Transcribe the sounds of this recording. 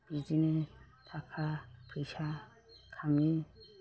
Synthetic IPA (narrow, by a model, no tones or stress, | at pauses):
bid͡ʒinɛt̪ʰakʰakɾisa | kʰami